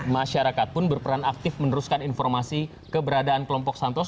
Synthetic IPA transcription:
maʃaɾakat̪̚pʊnbərpəɾanak̚t̪ɪfmənəɾuskaninfɔrmasi | kəbəɾadaːnkəlɔmpɔksant̪ɔs

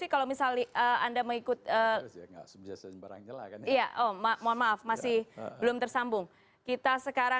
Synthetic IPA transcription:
ikalomisalniʔəandaməŋikʊt̪̚əɡa̰biasabaɾa̰ŋɲaa̰kijaʔommoanmaafmasɪhbəlʊmt̪ərsambʊŋ | kit̪asəkaɾa

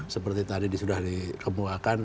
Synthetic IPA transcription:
səpərt̪it̪adidisudahdikəmuakan

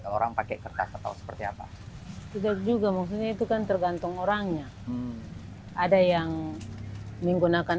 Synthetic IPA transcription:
kaloɾaŋpakɛkərt̪a̰skət̪a̰usə̥pərt̪ia̰pa̰ | t̪idak̚d͡ʒuɡamak̚s̬ut̪̚ɲait̪ukant̪ərɡant̪uŋoɾaŋɲa | adajaŋ | niŋɡunakan

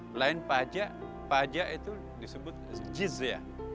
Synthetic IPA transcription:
laɪnpad͡ʒaʔ | pad͡ʒaʔit̪u | disəbʊt̪̚d͡ʒizia̰

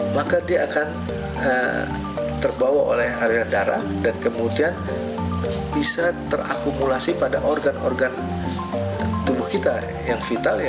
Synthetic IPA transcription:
makadiaʔːkan | ə | t̪ərbawaʔo̰lɛhɦaɾiɾandaɾa̰dankəmudian | bisat̪əra̰kumulasipada̰ʔorɡano̰rɡan | t̪ubʊhkit̪a | jaŋfit̪al

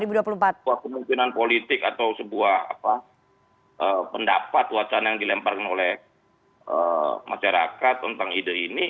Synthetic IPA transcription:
ɾibuduapuluhmpat̪̚uahkəmuŋkinanpolit̪ɪkat̪awsəbuaha̰pa | ʔəpənda̰pat̪̚wat͡ʃanajaŋdilɛmparkanolɛh | ə̰ma̰ʃaɾa̰kat̪ːənt̪aŋidaini

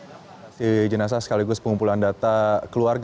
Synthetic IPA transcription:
sid͡ʒənas̬asə̥kaliɡʊspəŋumpulandat̪akəluarɡ

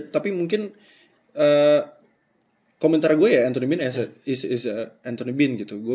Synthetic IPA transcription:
t̪apimuŋkɪn | ə | komɛnt̪aɾɡuajaːnt̪onibɪnas̬əɪsɪsəant̪onibɪnɡit̪uɡu

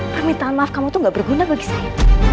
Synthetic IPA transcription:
pərmit̪aanlafkamat̪uŋɡaʔb̥ərɡunabaɡisaa

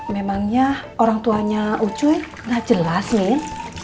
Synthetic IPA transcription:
memaŋɲaoɾaŋt̪uaɲaʔut͡ʃuj | ŋɡaʔd͡ʒ̥əlasmin

